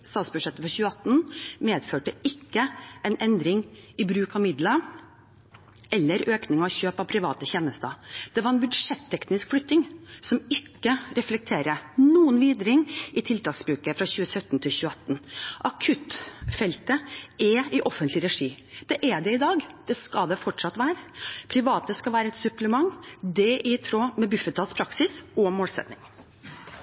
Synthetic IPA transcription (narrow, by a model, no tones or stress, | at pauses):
st̪ɑːsbʉʂɛt̪ːəfɔɾçʉːəɑt̪ːnmeːd̪føːʈəɪkːəɛɪnʔɛnd̪ɾɪŋɪbɾʉːkɑʋmɪd̪lɑ | ɛlːəɾøːknɪŋɑɔçøːpɑʋpʰɾɪʋɑ̰ːt̪əçɛnəst̪əd̪̥ɛʋɑɾɛnbʉd̪ʂɛt̪ʰːɛknɪskflʉt̪ːɪŋsɔmɪkːəɾɛflɛk̚t̪ʰeːɾənuːənʋiːd̪ɾɪŋɪt̪ʰɪlt̪ʰɑːksbɾʉːkəfɾɑçʉːəsœt̪ːnt̪ʰɪlçʉːəɑt̪ːnʔɑkʰʉt̪fɛlt̪əɛɪʔɔfənlɪɾɛʂiː | d̪̥ɛʔɛɖɛɪd̪ɑːɡd̪̥ɛskɑd̪ɛfɔʈʂɑt̪ʋæːɾəpʰɾɪʋɑːt̪əskɑʋæːɾəɛt̪sʉpləmɑŋːd̪ɛʔɪt̪ʰɾoːmɛbʉfət̪ʰːɑːspʰɾɑksɪsɔmoːlsɛ̰t̪nɪ̰ŋ